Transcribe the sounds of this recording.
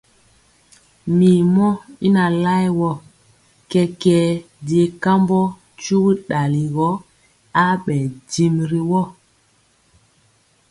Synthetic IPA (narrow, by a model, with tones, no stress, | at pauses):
mi˨mɔ˦i˦na˨la˦jwɔ˦˨ | kɛ˨kɛː˨ | de˨ka˦mbɔ˦ | t͡ʃu˦ɣɗa˨li˨ɣɔ˦ | a˦ɓɛ˨di˨mɾi˨wɔ˦˨